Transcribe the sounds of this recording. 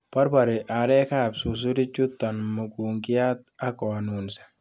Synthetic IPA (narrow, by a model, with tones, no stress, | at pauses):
pa˦ɾba˨ɾi˨ʔa˨ɾɛ˦ka˦˨bsu˨s̬u˦ɾi˦t͡ʃu˦t̪ːɔ˨nmu˨ku˨ŋki˦ja˦t̪a˦kɔ˨nu˨nsḁ˨